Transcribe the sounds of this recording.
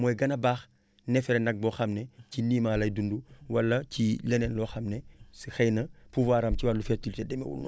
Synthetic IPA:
mɔjɡɐnɐbaːx | nɛfɛɾɛnɐɡ̚bɔxɐmneciniːmaːlɐjdunduwɐlːɐcilɛnɛnlɔːxɐmnɛsixɛjnɐpuvaːɾɐmciwalufɛɾtilitɛdɛmɛ̰wṵlnṵ

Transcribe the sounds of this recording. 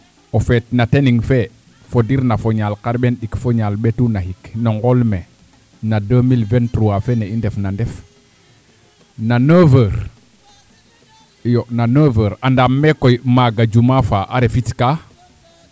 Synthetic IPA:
ofetnateniŋfe | fodiɾnafoɲalkaɾɓenɗikfoɲalɓetunahiknoŋɡolme | nadəmilventɾuwafeneindefnandɛf | nanəvəɾ | jonanəːvəːɾandamːekojmaɡad͡ʒumafaʔa̰ɾefitka

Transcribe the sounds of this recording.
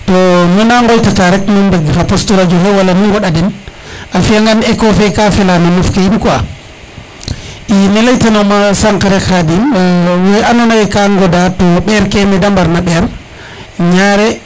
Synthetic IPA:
tɔnɔnaŋɡojtataɾɛkmumbeɡxapostuɾad͡ʒuɦɛwalamiɡɔɗadin | afiaŋɡanɛkɔfɛkafilananufkejinkwa | inelajtanomasaŋkaɾɛkadiweanɔnajɛkaŋɡɔdatɔɓɛɾkɛmɛdambaɾnaɓɛɾ | ɲaɾɛ

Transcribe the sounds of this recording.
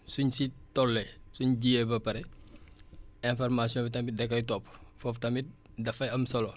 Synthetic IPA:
suɲsitɔlːɛsuɲɟijebɐpɐɾɛ | ɛ̃nfɔrmasjɔ̃ːbitɐmbidɛkːɐjtɔpːfɔftɐmi | dɐfɐjɐmsɐlɔ

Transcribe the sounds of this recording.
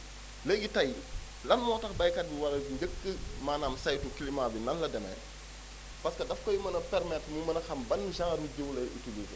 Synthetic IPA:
ləɡitɐj | lɐnmɔːtɐxbɐjkɐt̚biwɐlɐɲɟəkːəmaːnaːmsajtukilimaːbinɐnlɐdɛmɛ̰ | pɐskɐdɐfkɔjimɐnɐpɛrmɛtmumɐnɐxɐmbɐnːʃɐŋɐbuɟəwlɐʔḭtubutu

